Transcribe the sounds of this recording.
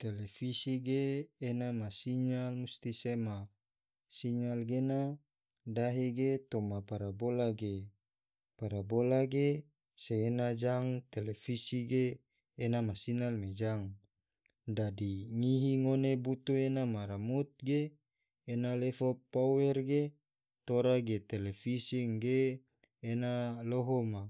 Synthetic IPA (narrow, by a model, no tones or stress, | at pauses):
t̪elefisiɡeːnamasiɲalmust̪isema | siɲalɡena | daɦeɡet̪omapaɾabolaɡe | paɾabolaɡe | seːnad͡ʒaŋt̪elefisiɡeː | namasinalmed͡ʒaŋ | dadiŋiɦiŋonebut̪uenamaɾamut̪̚ɡeː | nalefopːowɛrɡe | t̪oɾaɡet̪elefisiŋɡeː | naloɦoma